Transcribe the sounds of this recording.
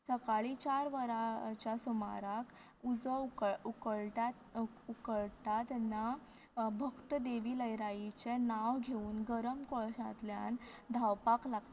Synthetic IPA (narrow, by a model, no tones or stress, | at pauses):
səkaɭit͡ɕaɾʋəɾat͡ɕjasɔma̰ɾak | ud͡zəuukəɭʈa | ukəɭt̪at̪na | bʱəkt̪əd̪eʋiːləjɾait͡ɕenaʋɡʱeuːnɡəɾəmkɔɭɕã̰t̪lja̰nd̪ʱawpaklaɡt̪e